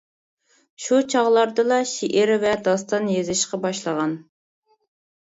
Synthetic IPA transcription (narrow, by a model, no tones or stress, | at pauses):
ʃut͡ʃʰɑʁlˠɑɾd̪ɨlˠɑʃiʔɪɾvɛd̪ɑst̪ɑnjezɪʃqɑbɑʃlˠəʁɑn